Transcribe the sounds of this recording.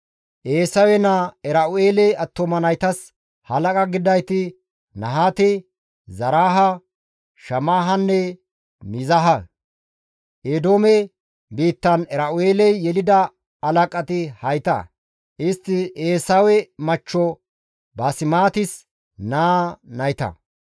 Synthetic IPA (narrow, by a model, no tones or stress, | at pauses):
ʔeːsɐwɛnɐɛɾɐʔʊeːlɛɐt̪ːɔmɐnɐjt̪ɐs | hɐlɐkʼɐɡɪd̪ɐjt̪ɪ | nɐɦaːt̪ɪ | zɐɾaːɦɐ | ʃɐmaːɦɐnːɛ | mɪzɐɦɐ | ʔed̪oːmɛ | biːt̪ːɐnɛɾɐʔʊeːlɛjːɛlɪd̪ɐ | ɐlɐkʼɐt̪ɪhɐjt̪ɐ̰ | ʔɪst̪ːɪʔeːsawɛmɐt͡ʃːɔ | bɐsɪmaːt̪ɪs | naːnɐjt̪ɐ̰